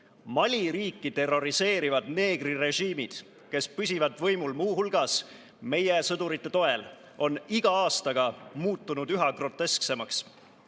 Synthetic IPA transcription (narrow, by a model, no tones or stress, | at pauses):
mɑlʲiɾiːkːit̪e̞ro̞ɾise̞ːɾivɑd̪ne̞ːɡ̥rire̞ʒiːmid̪̥ | ke̞spysʲivɑd̪̥vɤ̞jmulmuːhulɡ̥ɑs | me̞jesɤd̪̥uɾit̪ːe̞t̪o̞e̞l | ʔo̞niɡ̥ɑɑːst̪ɑɡ̥ɑmuːt̪ːunud̪̥yɦɑɡro̞t̪ːˑe̞skse̞mɑks